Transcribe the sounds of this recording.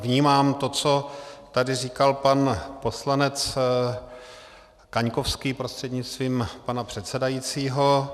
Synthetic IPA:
vɲiːmaːmt̪o̞t͡so̞t̪adɪriːkalpanpo̞slanɛt͡s | kaɲkofskiːpɾost̪r̥ɛd̪ɲɪt͡st̪viːmpanapr̝̥ɛt̪sɛdajit͡siːɦo̞

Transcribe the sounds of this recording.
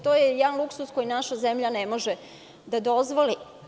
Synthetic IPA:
t̪oːjejɛd̪anlˠuksuskojinaʃazemʎanemoʒe | d̪ad̪ozʋoli

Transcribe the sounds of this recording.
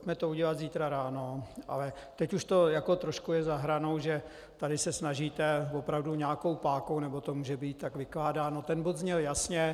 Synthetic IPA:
pocmɛt̪ouɟɛlad̪ziːt̪ɾaɾaːno̞ʔa̰lɛ | t̪ɛcuʃt̪o̞jako̞t̪ɾoʃkujɛzaɦɾano̞wʒɛ | t̪adɪsɛsnaʒiːt̪ɛvopɾavduɲaːko̞wpaːkownɛbo̞t̪omuːʒɛbiːt̪̚t̪ːakvɪklaːdaːno̞t̪ɛnbod̪zɲɛljasɲɛ

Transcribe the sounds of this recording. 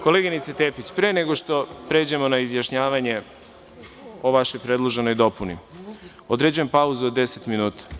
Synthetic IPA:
ko̞leɡinit̪set̪eːpit͡ɕpɾeneɡo̞ʃt̪o̞pɾe̞ːd͡ʑe̞mo̞naizjaʃɲaːʋaɲe̞ | oʋaʃojpɾe̞d̪lˠo̞ʒe̞no̞jd̪o̞punḭ | od̪ɾe̞d͡ʑuje̞mpauzuod̪ːe̞set̪minuːt̪ḁ

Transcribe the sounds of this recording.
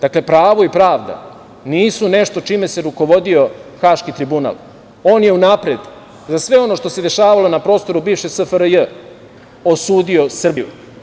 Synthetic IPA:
d̪̥akle̞pɾaːʋo̞ipɾaːʋd̪a̰ | niːsune̞ʃt̪o̞t͡ʃime̞se̞ɾuko̞ʋo̞d̪io̞xaːʃkit̪ɾibuna̰ːl | oːnje̞unaːpɾed̪ | zasʋe̞o̞no̞ʃt̪o̞se̞d̪e̞ʃaːʋalo̞napɾo̞ːst̪o̞ɾubiːʋʃesəfəɾəjə | osuːd̪io̞sr̩bijṵ

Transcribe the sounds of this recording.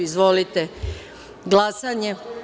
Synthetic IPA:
izʋo̞lit̪e | ɡlasaɲe

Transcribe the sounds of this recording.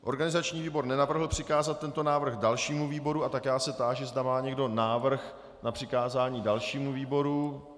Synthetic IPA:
ʔo̞̰ɾɡanɪzat͡ʃɲiːviːbo̞ɾnɛnavr̩ɦl̩pr̝̥ɪkaːzat̪̚tːɛnt̪o̞naːvr̩xdalʃiːmuviːbo̞ɾuat̪akjaːsɛt̪aːʒɪzdamaːɲɛɡdo̞naːvr̩x | napr̥ɪkaːzaːɲiːdalʃiːmuviːbo̞ɾu

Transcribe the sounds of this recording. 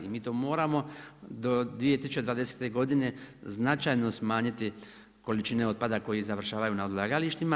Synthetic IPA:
imiːt̪oːmo̞ːɾamo̞d̪o̞d̪ʋije̞t̪isut͡ʃed̪ʋaːd̪e̞se̥t̪e̞ɡo̞d̪ine̞znat͡ʃajno̞smaːɲit̪i | ko̞lit͡ʃine̞o̞d̪̚pad̪ako̞jizaʋr̩ʃaːʋajunaod̪lˠaːɡaliʃt̪ima

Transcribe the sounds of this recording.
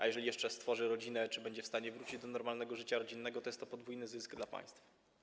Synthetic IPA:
ʔa̰jɛʐɛlʲijɛʂt͡ʂɛst̪fɔʐɘɾɔd͡ʑinɛt͡ʂɘbɛɲd͡ʑɛfst̪aɲɛvɾut͡ɕid͡ʑd̪ɔnɔɾmalnɛɡɔʐɘt͡ɕaɾɔd͡ʑinːɛɡɔt̪ɔjɛst̪ːɔpɔd̪vujnɘzɘsɡd̪lapa̰j̃st̪f

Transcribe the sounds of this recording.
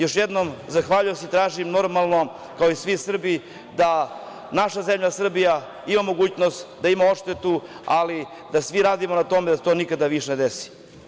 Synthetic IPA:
jo̞ʃjed̪no̞mzaxʋaːʎujoseit̪ɾaːʒimno̞ɾmalˠno̞ | kaoisʋisr̩bi | d̪a | naʃazemʎasr̩bija | imamo̞ɡuːt͡ɕnost̪d̪aimao̞ʂt̪e̞t̪u | a̰li | d̪asʋiɾaːd̪imonat̪o̞me̞d̪aset̪o̞ːnikad̪aʋiʃne̞d̪esi̥

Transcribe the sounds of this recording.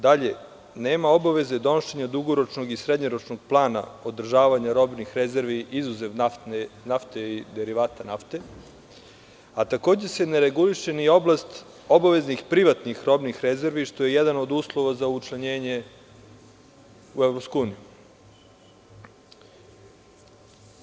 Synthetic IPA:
d̪aʎe̞ | neːmao̞baʋe̞zed̪o̞noʃeɲad̪uɡoɾo̞t͡ʃno̞ɡisɾed̪ɲoɾo̞t͡ʃnoɡ̚plˠaːna̰o̞d̪r̩ʒaːʋaɲaɾo̞bnixɾeze̞ɾʋiʔizuzeʋnanenaft̪eid̪eɾiʋaːt̪anaft̪e̞ | at̪ako̞ːd͡ʑese̞neɾeɡuliʃe̞nio̞blˠast̪ | o̞baʋe̞znixpɾiʋat̪nixɾo̞bnixɾeze̞ɾʋiʃt̪o̞je̞jɛd̪ano̞d̪uːslˠo̞ʋazaut͡ʃlaɲeːɲe̞ | uevɾop̪skuuːniju

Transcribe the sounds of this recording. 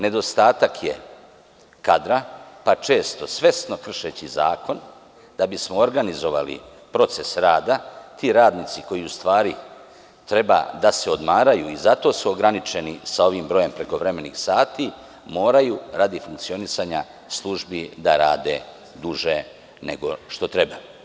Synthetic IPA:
ne̞d̪o̞st̪aːt̪akʰje̞̰ | kad̪ɾapat͡ʃe̞ːst̪o̞sʋe̞st̪no̞kr̩ʃe̞t͡ɕizaːko̞n | d̪̥abismo̞oɾɡanizo̞ʋa̰lḭ | pɾo̞t̪se̞sɾaːd̪at̪ʰiɾaːd̪nit̪siko̞jiust̪ʋaːɾi | t̪ɾe̞ba̰d̪ase̞o̞d̪maːɾajuizat̪o̞ːsuoɡɾanit͡ʃe̞nisao̞ʋiːmbɾo̞je̞mpɾe̞ko̞ʋɾe̞me̞nḭxsaːt̪i | mo̞ːɾajuɾad̪ifuŋk̚t̪sio̞nisaːɲa | slˠuʒbid̪aɾa̰ːd̪e̞̰ | d̪uʒe̞ | ne̞̰ɡo̞ʃt̪o̞t̪ɾe̞ba

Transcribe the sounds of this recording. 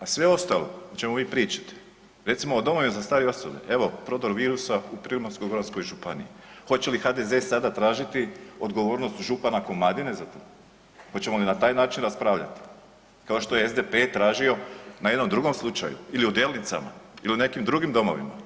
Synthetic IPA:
asʋe̞o̞st̪alo̞̰t͡ɕe̞moʋiːpɾiːt͡ʃḁt̪e̥ | ɾe̞t̪simoːd̪o̞mo̞ʋimazast̪aːɾeo̞sobḛʔe̞ʋo̞pɾo̞d̪oɾʋiːɾusaupɾilmaskojɡoɾansko̞jʒupanḭixo̞t͡ɕe̞lixad̪eze̞ːsad̪at̪ɾaːʒit̪io̞d̪ɡo̞ʋo̞ːɾno̞st̪ʒupanakomlad̪ine̞zat̪o̞ː | xo̞t͡ɕe̞molinat̪aːjnaːt͡ʃinɾaspɾaːʋʎa̰t̪i̥ | kao̞ʃt̪o̞jeezd̪epe̞t̪ɾaːʒio̞najed̪nomd̪ɾuɡo̞mslˠut͡ʃa̰jṵiliud̪eːlˠnit̪sa̰ma̰iliune̞kimd̪ɾuɡimd̪o̞mo̞̰ʋḭma̰

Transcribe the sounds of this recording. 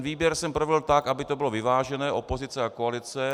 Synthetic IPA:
nviːbjɛɾsɛmpɾovɪlt̪akʔabɪt̪obɪlovɪvaːʒɛnɛːʔo̞po̞zɪt͡sɛakoalɪt͡sɛ

